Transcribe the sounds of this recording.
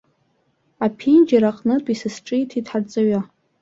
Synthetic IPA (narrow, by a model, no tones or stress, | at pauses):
apʰind͡ʒaɾaqʼnɨtʼisɨsʈ͡ʂʼɨjtʰitʰħart͡sʼaɥa